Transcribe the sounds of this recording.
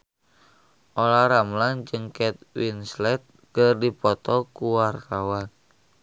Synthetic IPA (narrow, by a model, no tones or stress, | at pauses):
ʔolaɾamland͡ʒɨŋkɛt̪̚winslɛt̪̚ | ɡərdipɔt̪ɔkuwart̪awan